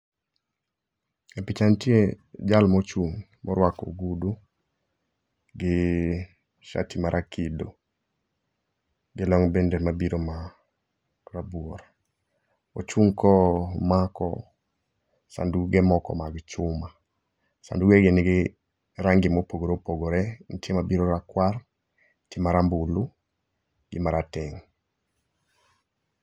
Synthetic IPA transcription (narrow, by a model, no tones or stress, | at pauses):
epɪt͡ʃantjed͡ʒalmɔt͡ʃuŋ | mɔɾwako̰ɡudu | ɡɪ | ʃa̰timaɾʔakido | ɡɪlɔŋbendemabiɾoma | rabwɔɾ | ot͡ʃuŋkɔmakɔ̰ | sa̰nduɡɪmɔkɔ̰maɡt͡ʃʊma | sa̰nduɡeɡɪnɪɡɪ | ɾaŋɡɪmopoɡoɾopoɡoɾɛntjemabiɾoɾakwar | temaɾambulu | ɡɪmaɾatɪŋ